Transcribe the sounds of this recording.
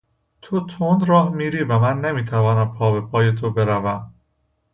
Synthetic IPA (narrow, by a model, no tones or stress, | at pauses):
t̪ʰot̪ʰond̪ɾɒːhmiːɾiːvæmænːemiːt̪ʰævɒːnæmpʰɒːbe̞pʰɒːje̞t̪ʰo̞be̞ɾævæm